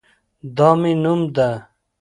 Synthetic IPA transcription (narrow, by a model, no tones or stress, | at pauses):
d̪ɔːminumd̪a